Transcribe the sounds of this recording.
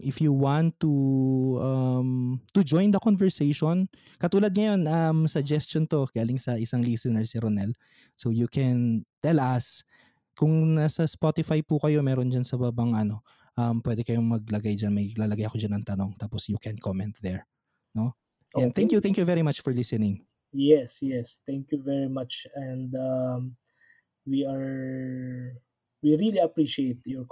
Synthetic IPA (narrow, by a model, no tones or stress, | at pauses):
ʔɪfjuwant̪ːuʔɐmt̪ud͡ʒojnd̪ɐkonvɛɹsejʃon | kɐt̪uːlɐd̪̚ŋɐjo̞nʔɐmsɐɡd͡ʒɛst͡ʃont̪o̞ɡ̥aːlɪŋsɐʔɪsaŋlisɪnɛɹsiɾonɛl | sowjukʰɛnt̪ɛlʔɐs | kʊŋnɐsɐspot̪ɪfajpukɐjo̞mɛːɾond͡ʒɐnsɐbaːbɐŋʔɐno̞ | ʔɐmpwɛd̪ɛkɐjo̞mɐɡ̚lɐɡajd͡ʒanmɐjlaːlɐɡajɐkod͡ʒanɐŋt̪ɐno̞ŋt̪aːposjukɛnkʰomɛ̃nt̪̚ðɛɹ | no̞ | ɛ̃nt̪ɛŋkjut̪ɛ̃ŋkjuvɛɾimat͡ʃfɔɹlɪsɛnɪŋ | jɛsjɛst̪ɛ̃ŋkjuvɛɹimat͡ʃɛ̃nd̪am | wiaɹ | wiɹiliɐpɹiʃiejt̪̚jɔɹ